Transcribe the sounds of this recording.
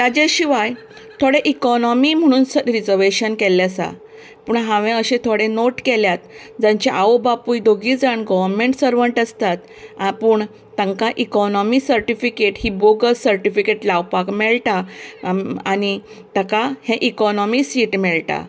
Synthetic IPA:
t̪ad͡ʑeɕiʋaj | t̪ʰoɽeʔikɔnɔmim̤əɽ̃uːnsəɾid͡zəɾʋeɕənkɛlːasa̰ | pəːɳɦãʋẽəɕẽt̪ʰoɽenoʈkeljat̪ | d͡zãɲt͡ɕaʔawbapujd̪oɡiːd͡zaɳɡɔʋəɾmẽɳʈsəɾʋəɳʈəst̪at̪ | apuːɳ | t̪ə̃ŋkaʔikɔnɔmisəɾʈifikeʈhiboɡəɾsəɾʈifikeʈlawpakmɛɭʈa | añi | t̪əkahẽʔikɔnɔmisiːʈmɛɭʈa̰

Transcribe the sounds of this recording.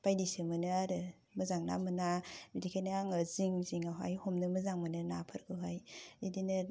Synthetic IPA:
pajdisɯmɯnɯaɾɯ | mɯzaŋna̰mɯnabidikʰajnaaŋɯziŋziŋaɦa̰jhomnɯmɯzaŋmɯnɯnapʰɯɾɡɯɦajidinɯ

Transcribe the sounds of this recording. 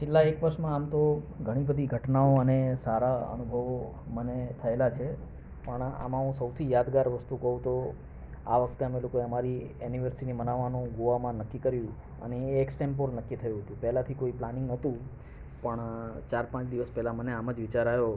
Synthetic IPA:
t͡ʃʰelːaekʋəɾʃmãːmt̪oɡʱəɽ̃ibəd̪ʱiɡʱəʈnaoənesaɾaə̰nubʱəʋo | mənet̪ʰəelat͡ʃʰe | pəɳa̰mãɦũsəwt̪ʰijad̪ɡaɾʋəst̪ukəɦũt̪o | a̰ʋəkʰt̪eəmelokoeəmaɾiɛniʋəɾsinimənaʋːanũɡoʋamãnəkːikəɾjũ | ə̰neːksʈemp̬oɾnəkːit̪ʰəjũɦət̪ũpɛɦlat̪ʰikoiplanɪ̃ŋɡnət̪ũ | pəɳt͡ʃaɾpãt͡ʃd̪iʋəspɛɦlaməneaməd͡ʒʋɪt͡ʃaɾajo

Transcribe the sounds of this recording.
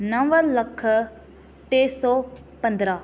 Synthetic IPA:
nɐ̃ʋəɾlɐkʰː | ʈ̪eːsɔː | pə̃nd̪ɾaː

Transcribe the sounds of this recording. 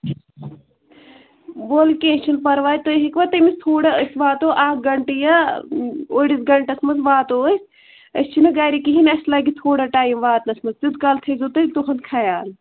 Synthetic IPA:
boːlkẽːt͡ʃʰɐnpɐɾʋaːjt̪oɦikʋɐt̪ɐmist̪ʰoːɽaəsʋaːt̪oːʔaːkɡɐɳʈijɐ | oːɽisɡɐɳʈɐsmɐt͡sʋaːt̪oːs | ɐst͡ʃʰinɨɡaːɾikiɦinɐslaːɡit̪ʰoːɽaʈaːjimʋaːt̪nɐsmɐzd͡ʒud̪kɐlt̪ʰezot̪ɨt̪uxʰɐnd̪kʰɐjaːl

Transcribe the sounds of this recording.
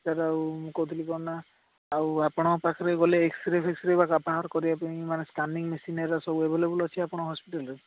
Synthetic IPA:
t̪aɾawmũkɔwt̪ʰilikɔɾnaː | wapɔɽ̃ɔpakʰɔɾeɡɔleːksɾepʰeksɾebakapaɦaɾkɔɾiapaĩmanesʈaniŋmesinaɾasɔbuebʱɔlebulɔt͡ʃʰiapɔɽ̃ɔɦɔspiʈalɔɾe

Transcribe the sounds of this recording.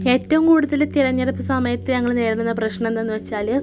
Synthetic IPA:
e̞ːtːɐʋumkuːɽuðɐlt̪iɾɐɲːɐɾɐpːɨsɐmɐjɐt̪ːɨɲɐŋːɐɭneːɽununːɐprɐɕɳɐ̃ment̪ɐnːɨʋɐt͡ɕːaːlɨ

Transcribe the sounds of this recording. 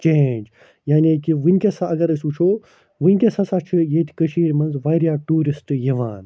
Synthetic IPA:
t͡ʃeːnd͡ʒ | jaːnikiʋɨnʲkʲesaɐɡɐɾɐsʲut͡ʃʰoː | ʋɨnʲkʲesɐsat͡ʃʰɨjet̪ʰi̥kəʃiːɾʲmɐnzʋɐjɾjaːʈuːɾisʈjɐʋaːn

